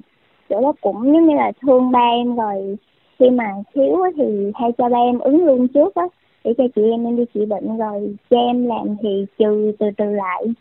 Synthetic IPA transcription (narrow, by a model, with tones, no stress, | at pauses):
t͡ɕo̰˧˩ɗɔ˨˦kʊ̰˧˩˥ŋ͡mɲɨ˨˦ɲi˨˦laː˨˩t̪ʰɨ˧əŋɓaː˧ʔɛ˧mzo˨˩j | xi˧maː˨˩xʰi˨˦əwʔaː˨˦t̪ʰi˨˩haː˧jt͡ɕɔ˧ɓaː˧ʔɛ˧mʔɨ˨˦ŋlu˧ənt͡ɕɨ˦˥ək̚ʔaː˨˦ | ɗḛ˧˩t͡ɕɔ˧t͡ɕḭ˧˨ʔɛ˧mnɛ˧nɗi˧t͡ɕḭ˧˨ɓḭ˧˨ŋ̟zo˨˩jt͡ɕɔ˧ʔɛ˧mlaː˨˩mt̪ʰi˨˩t͡ɕɨ˨˩t̪ɨ˨˩t̪ɨ˨˩la̰ː˧˨j